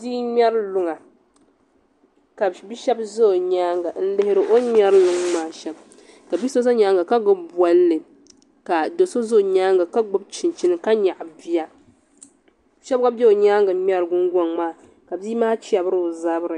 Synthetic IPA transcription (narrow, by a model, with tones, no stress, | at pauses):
diː˦ɲɛ˦ɾlʊ˦ŋa˨ | ka˨bi˦ʃɛ˦bzo˦˨ɲaː˦ŋɡa˨n̩˦lɨ˦hɪ˦ɾɨ˦ʔo˦ɲɛ˦ɾlʊ˦ŋmaː˦ʃɛ˨b | ka˨bi˦so˦sa˦ɲaː˦ŋɡa˨ka˦ɡʊ˦bba˦lːɨ˨ | ka˨do˨so˦zo˦˨ɲaː˦ŋɡa˨ka˦ɡ͡bʊ˦b̚t͡ʃɪ˨nt͡ʃi˦nɨ˦ka˦ɲa˨ʔbi˦ja˦ | ʃɛ˦bka˦bbɛ˦o˨ɲaː˦ŋɡa˨˦mɛ˦ɾɨ˨ɡʊ˦ŋɡʷo˦ŋmaː˦˨ | ka˨bdiː˦maː˦t͡ʃi˦a˨bɾɨ˦˨za˦bɾɨ˨